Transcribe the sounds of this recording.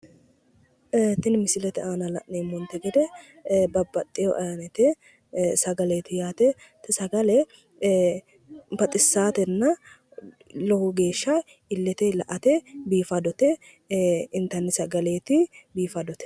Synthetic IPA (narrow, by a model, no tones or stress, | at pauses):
t̪ɪnmɪsɪlɛt̪ɛaːnɐlɐ̰ʔneːmːɔnt̪ɛɡɛd̪ɛ | bɐbːɐt̪ʼːɪjɔʔɐɐnɛt̪ɛ | sɐɡɐleːt̪ɪjaːt̪ɛt̪sɐɡɐlɛ | bɐt̪ʼɪsːaːt̪ɛnːɐ | lɔhʊɡe̞ːʃːɐ | ɪlːɛt̪ɛlɐʔɐt̪ɛbiːfɐd̪ɔt̪ɛ | ɪnt̪ɐnːɛsɐɡɐleːt̪ɪbiːfɐd̪ɔt̪ɛ̥